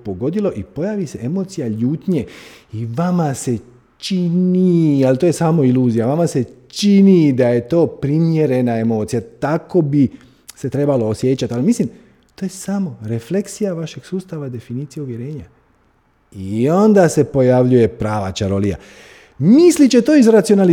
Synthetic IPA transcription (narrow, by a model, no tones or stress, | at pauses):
poɡo̞d̪ilo̞ʔipo̞jaːʋise̞e̞mo̞ːt̪sijaʎuːt̪ɲe̞iʋamase̞ | t͡ʃinialt̪ojesaːmo̞iluːzijaʋamase̞t͡ʃinid̪aje̞t̪o̞ːpɾimje̞ɾe̞nae̞mo̞ːt̪sijat̪ako̞bi | se̞t̪ɾe̞baloːsje̞t͡ɕat̪alimislim | t̪oːje̞samo̞ɾe̞fle̞ksijaʋaʃe̞ɡ̥suːst̪aʋad̪e̞finiːt̪sijeuʋje̞ɾe̞ːɲa | io̞nd̪ase̞po̞jaʋʎuje̞pɾaːʋa̰t͡ʃaɾolija̰ | mislit͡ɕe̞t̪o̞ːizɾat̪sional